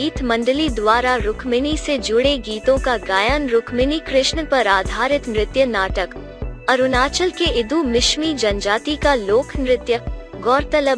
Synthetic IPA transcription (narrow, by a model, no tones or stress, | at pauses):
iːt̪mɐ̃ɳɖəlid̪waːɾaɾʊkʰmɪnised͡ʒʊɽeɡiːt̪õkaɡaːjənɾʊkʰmɪnikɾɪʃɳpɐɾaːd̪ʱaːɾɪt̪nɾɪt̪jənaːʈək | ɐɾʊnaːt͡ʃəlkeɪd̪umɪʃmid͡ʒɐnd͡ʒaːt̪ikaloːkʰnɾɪt̪jəɡɔːɾt̪ɐlə